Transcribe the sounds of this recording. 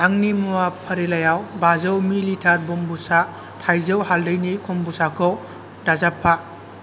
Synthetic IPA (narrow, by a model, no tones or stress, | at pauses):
aŋnimuwapʰəɾilajawbazɯwmilitʰaɾbɔmbusa | tʰajzɯwhaldɯjnikʰɔmbusakʰɔw | dazapʰːa